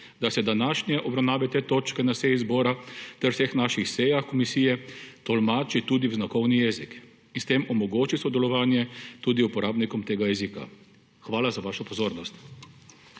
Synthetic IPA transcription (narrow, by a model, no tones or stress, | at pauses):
d̪asɛd̪anaʃnjɛʔɔbɾawnaːʋɛt̪et̪oːt͡ʃkɛnasɛjizbɔːɾat̪ɛɾwsexnaʃixsɛjaxkɔmisijɛt̪ɔlmaːt͡ʃit̪ud̪iwznakɔwnijɛzik | inst̪emɔmɔɡoːt͡ʃisɔd̪ɛlɔʋaːnjɛt̪uːd̪iupɔɾaːbnikɔmt̪eːɡajɛzika̰ | xʋaːlazaʋaːʃɔpɔzoːɾnɔst̪